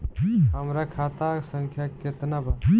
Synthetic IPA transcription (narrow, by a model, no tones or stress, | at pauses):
ɦəmɾakʰat̪aksəŋkʰjaket̪nabʱa